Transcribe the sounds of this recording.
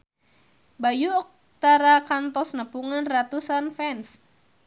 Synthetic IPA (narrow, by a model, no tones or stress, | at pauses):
bajuɔk̚ | t̪aɾakant̪ɔsnəpuŋanrat̪usanfɛns